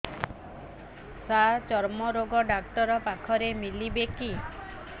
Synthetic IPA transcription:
sat͡ʃɔɾmɔɾoɡɔɖakʈɔɾɔpakʰɔɾemilibeki

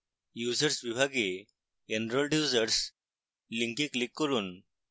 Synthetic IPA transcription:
jud͡ʑəɾsʋibʱaɡe | enɾɔlɖjud͡zəɾs | liŋkĩklikːəɾuːn

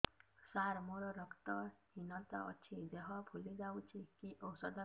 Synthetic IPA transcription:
saɾmoɾɔɾɔkt̪ɔhinɔt̪a̰ɔ̰t͡ʃʰid̪eɦɔpʰulid͡ʒawt͡ʃʰikiʔɔsɔd̪ɔ

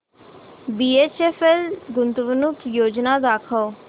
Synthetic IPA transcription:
biːeːt͡ʃeːfʰelɡʊnt̪ʋənʊkjoːd͡ʒnaːd̪aːkʰɔː

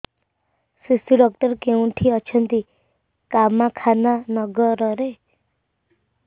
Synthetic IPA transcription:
sisiɖɔk̚ʈɔɾkeũʈʰiɔt͡ʃʰʌnt̪i | kamːakʰananɔɡɔɾɔɾe

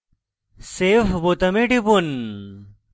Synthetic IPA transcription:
seːfbot̪ɐmeɖibun

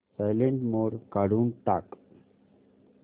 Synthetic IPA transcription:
sajleɳʈmoːɽkaɽuːnʈak

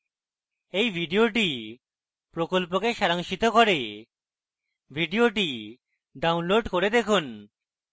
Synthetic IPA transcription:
ejbʱiɖioʈi | pɾokolp̬okeʃaɾaŋʃit̪okoɾe | bʱiɖioʈi | ɖawnloɖkoɾed̪ekʰun

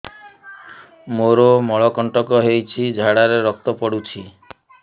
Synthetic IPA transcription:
moɾomɔɭɔkɔɳʈɔkɔɦejt͡ʃʰid͡ʒʱaɽaɾeɾɔk̚t̪ɔpɔɽut͡ʃʰi

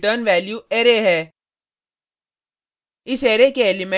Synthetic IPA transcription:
ʈəɾnʋɛːljueːɾeɦɛː | ɪseːɾekeeːlimẽ

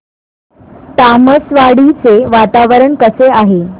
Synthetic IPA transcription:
t̪aməsʋaɽit͡seʋat̪aʋəɾəɳkəseaɦe

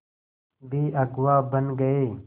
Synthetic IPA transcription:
biːʔɐɡwaːbɐnɡɐeː

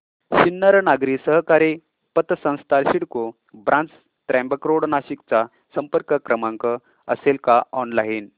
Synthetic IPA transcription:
ɕinːəɾnaɡɾiːsəɦkaɾe | pət̪sə̃w̃st̪ʰalɕiɽko | bɾʔãnt͡s | t̪ɾɛ̃mbəkɾoɽnaɕikt͡sa | səmpəɾkəkɾəmãŋkə | ə̰selkaʔɔnlain

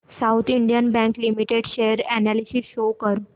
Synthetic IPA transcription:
sawt̪ʰiɳɖijənbɛ̃ŋklimiʈeɽɕejəɾænælisisɕokəɾu

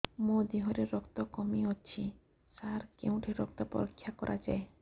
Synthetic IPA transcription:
mod̪iɦɔɾeɾɔkt̪ɔkɔmiott͡ʃʰi | saɾkḛw̃ʈʰiɾɔ̰k̚t̪ɔpɔ̰ɾɔkʰːjakɔɾʔa̰d͡ʒa̰e

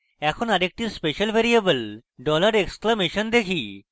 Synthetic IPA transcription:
ɛkʰonaɾek̚ʈiɾspeʃəlʋʱeɾiebəlɖɔlaɾeksklameʃənd̪ekʰi

